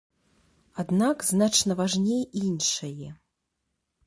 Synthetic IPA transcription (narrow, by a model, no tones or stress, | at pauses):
ad̪nakznat͡ʂnɐvaʐnʲejinʂɐjɛ